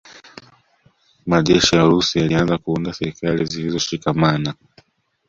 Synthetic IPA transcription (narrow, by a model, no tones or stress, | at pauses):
maʄɛʃijaɾusijalianzakuundasɛɾikalizilizɔʃikamana